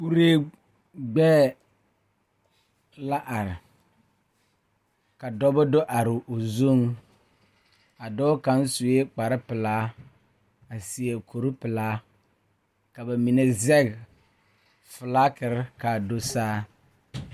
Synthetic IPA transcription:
pu˦ɾeː˦ | ɡ͡bɛː˦ | la˦ʔa˨ɾɪ˨ | ka˨dɔ˦bɔ˦do˦ʔa˨ɾɪ˨o˨zo˦ŋ | a˨dɔː˦ka˨˦n˦su˨e˦k͡pa˨ɾɪ˦pɪ˨laː˦ | a˨si˨e˨kʰo˨ɾɪ˦pɪ˨laː˦ | ka˨ba˨mi˨ne˦zɛ˦ɡ | fɪ˨la˦kɪ˨ɾɪ˦ka˨do˦saː˦

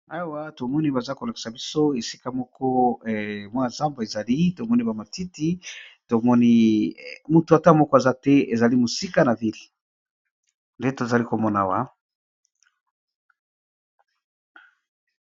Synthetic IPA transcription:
a˨wa˦to˨mɔ˦ni˦ba˨za˦ko˨la˨ki̥˨sa˨bi˦so˦e˨si˦ka˦mɔ˦kʰɔ˦ɛ˨mwa˦a˨za˦mba˨e˨za˨li˦to˨mɔ˦ni˦ba˨ma˨ti˦ti˦to˨mɔ˦ni˦ | mu˨to˨a˨ta˦mɔ˦kɔ˦e˨za˦tɛ˦e˨za˨li˦mo˨si˦ka˦na˨vi˦l | nde˦to˨za˨li˦ko˨mɔ˦na̰˨wa̰˦

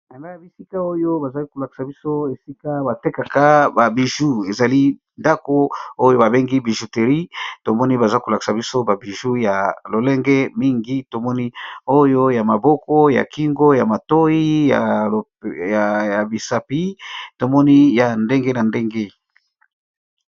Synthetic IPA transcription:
na˨la˦ja˨bi˨si˦ka˦o˦jo˦ba˨za˨li˦ko˨la˨ki̥˨sa˨bi˦so˦e˨si˦ka˦ba˨te˦ka˨ka˦ba˨bi˨ʒu˦e˨za˨li˦ | nda˦ko˦o˦jo˦ba˨be˦ŋɡi˦bi˨ʒu˨te˨ʁi˦to˨mɔ˦ni˦ba˨za˦ko˨la˨ki̥˨sa˨bi˦so˦ba˨bi˨ʒu˦ja˨lo˨lɛ˦ŋɡɛ˦mi˦ŋɡi˦to˨mɔ˦ni˦o˦jo˦ja˨ma˨bɔ˦kɔ˦ja̰˨ki˦ŋɡo˦ja˨ma˨to˦i˦ja̰˨ | a˨ja˨bi˨sa˨pi˦to˨mɔ˦ni˦ja˨nde˦ŋɡe˦na˨nde˦ŋɡe˦

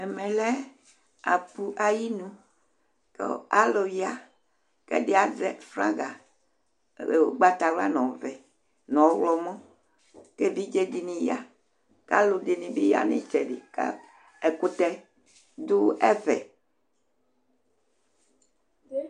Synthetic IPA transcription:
e˨mẽ˨lɛ˦ | a˨pu˦ʔa˨ji˦nũ˦ | kḛ˦a˦lo˨jja˦ | kḛ˦ɖe˦a˨dɛ˨fɾã̰˦ɡa˨˦ | ɡ͡ba˦t̪a˨wla̰˦nɔ̃˨vɛ˨ | nɔ̃˨˦wlɔ˦mɔ̃˦ | ke˦vi˦d͡ʒe˦di˨nĩ˨ja˦ | ka˦lo˨di˨nĩ˨bi˦ja̰˦nḛ̃˦˨t͡ʃɛ˨di˨ka̰˦ | e˨ku˦t̪ɛ˦ | d̪u˦ɛ˦vɛ̰˨

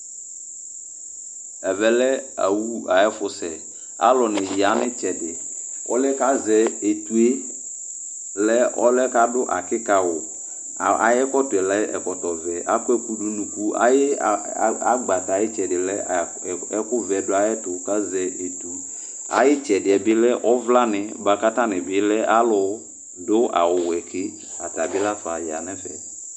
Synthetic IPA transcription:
ɛ˨vɛ˦lɛ˦a̰˨wu˦a˨ɛ˦fʊ˨sɛ˨ | a̰˨˦lɔ˨nɪ˨ji˨a˨˦nɪ˦t͡ʃɛ˨dɪ˨ɔ̰˦lɛ˦ka˦zɛ˦e˨tu˨e˦ | lɛ˦ɔ˦lɛ˦ka˦dʊ˦ʔa̰˨kɪ˦ka˨wʊ˨ | a̰˨jɛ˦kɔ˦tʊ˨ɛ˨lɛ˦ɛ̰˨kɔ˨tɔ˨vɛ˨ʔa˨˦kʊ˦ɛ˦ku˨du˨nũ˨ku˦a̰˦jɪ˦˨˦ | a˦ɡ͡ba˨ta˨jɪ˦t͡ʃɛ˨dɪ˨lɛ˦˨ | ɛ˦kʊ˦vɛ˨dʊ˦a˦jɛ˦tʊ˨˦ka˦zɛ˨ʔe˨tu˦ | a̰˨jɪ˦t͡ʃɛ˨dɪ˨ɛ˨bɪ˦lɛ˦ʔɔ˦vla˦nɪ˨˦ba˨ka˦ta˦nɪ˨bɪ˨˦lɛ˦ʔa˦lʊ˨˦ | dʊ˦ʔa̰˨wʊ˨wɛ˨kʰɪ˦ | a̰˨ta˨bɪ˦la˦fa˨ja̰˨nɛ˦fɛ̰˨

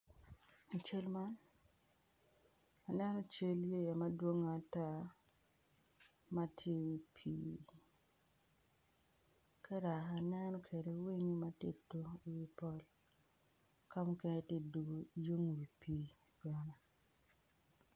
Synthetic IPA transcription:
a˨t͡ʃe˦lma˦n | a˨nɛ˦nɔ˦t͡ʃe˦lje˦ja˨ma˦dwo˦ŋa˨ta˦˨ | ma˦tʰje˦wi˨pʰḭː˦ | kɛ˦ɾa˨a˨nɛ˦nɔ˦kʰe˨ɾe˨˦wi˦ŋi˦ma˦tḛ˨tːo˦˨wi˦pɔ˦l | ka˦mu˦ke˦ne˦tje˦du˨ɡo˨jo˦ŋwi˨pʰi˦ | ɡa˨na˨

